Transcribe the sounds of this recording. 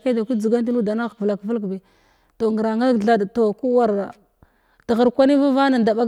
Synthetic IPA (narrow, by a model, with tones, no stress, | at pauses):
ke˦da˨kʷi˦d͡zi˨ɡa˦nt̬i˦nu˦da˨na˦ɣkvla˨kvə˦k̬be˨ | to˨ŋɡə˨ɾa˨ŋɡa˦ɮa˦dto˨ku˦wa˦ɾa˨ | ta˨ɣə˨ɾkʷa˦ni˦va˦va˦na˨nda˨ɓa˦